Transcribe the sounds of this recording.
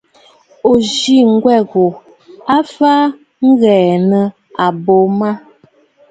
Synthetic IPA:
o˨d͡ʒi˦˨ŋ̩˦ɡwɛ˦˨ɣo˨ | a˦fa˦ | ŋ̩˦ɣɛː˨nə˨ | a˨bo˨˦ma˦

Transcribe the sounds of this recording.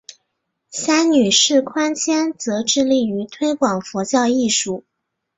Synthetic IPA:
ɕa˥ny˨˩ʂɻ̩˥˩kʰwa˥nt͡ɕʰjɛ˥nt͡sɤ˧˥ʈ͡ʂɻ̩˥˧li˥˩y˧˥t̪ʰwe˥ɪkwɑ˨˩ŋfɔ˧˥t͡ɕjɑ˥˧ʊi˥˩ʂu˥˩

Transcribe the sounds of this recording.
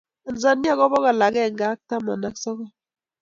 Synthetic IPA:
a˨n̩˨sa˦ni˦a˦kɔ˦βɔ˦ɣa˨la˨ɡɛ˦˨ŋɡa˦k̚ta˦ma̰˨na˦ksɔ˦kɔ˦

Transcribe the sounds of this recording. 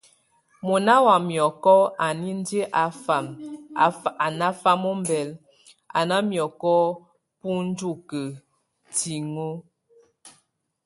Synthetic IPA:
mo˨na˦wa˨mjɔ˨kɔ˦a˨ni˦n˦dje˦ʔa˨fa˨m˨ | a˨na˦fa˦mo˦m̩˦bɛ˨l | a̰˨na˦mjɔ˨kɔ˦ | pu˦n̩˦d͡ʒu˦˨kə˨ | ti˨ŋo˦

